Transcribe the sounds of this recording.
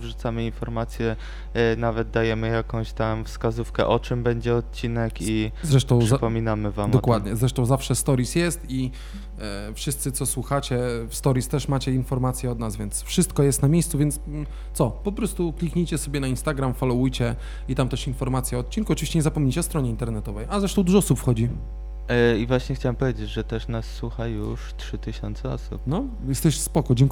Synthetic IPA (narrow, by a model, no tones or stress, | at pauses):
vʐut̪samɘinfɔɾmat̪sʲjɛ | navɛd̪̚d̪ajɛmɘjakɔ̃w̃ɕt̪amfskazufkɛ̰ʔɔt͡ʂɘmbɛɲd͡ʑɛɔt̪̚t͡ɕinɛkizɾɛʂt̪ɔ̃w̃ʂpɔmʲinamɘvamd̪ɔkwad̪ɲɛzɾɛʂt̪ɔ̃w̃zafʂɛst̪ɔɾisjɛst̪i | fʂɨst̪sɘt̪sɔswuxat͡ɕɛfst̪ɔɾist̪ɛʂmat͡ɕɛinfɔɾmat̪sʲjɛɔd̪nazvʲjɛnt̪sfʂɘst̪̚kɔjɛst̪namʲjejst̪suvʲjɛnt̪s | t̪sɔpɔpɾɔst̪uklʲikɲijt͡ɕɛsɔbʲjɛnainst̪aɡɾamfalɔwujt͡ɕɛ | it̪amt̪ɛʂinfɔɾmat̪sʲjaɔːt̪̚t͡ɕinkuɔt͡ʂɨvʲiɕt͡ɕɛɲɛzapɔmɲet͡ɕɛɔst̪ɾɔɲɛint̪ɛɾnɛt̪ɔvɛjazɾɛʂt̪ɔ̃w̃d̪uʐɔɔsupfxɔd͡ʑi | ivwaɕɲɛxt͡ɕawampɔvʲjed͡ʑed͡ʑʐɛt̪ɛʂnasːwuxajuʂtʂɘt̪ɘɕɔnt̪sɛɔ̰sṵpnɔ | jɛst̪ɛɕspɔkɔd͡ʑɛŋk